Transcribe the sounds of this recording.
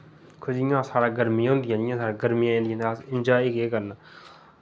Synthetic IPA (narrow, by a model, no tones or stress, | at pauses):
kʰʊʃijãːsaːɾaːɡəɾmĩːɦʊ̃ːnd̪ɪjãːd͡ʒɪjãːsaːɾaːɡəɾmijãːẽːd̪iːnsaːsɪnd͡ʒaːiːkeːkəɾna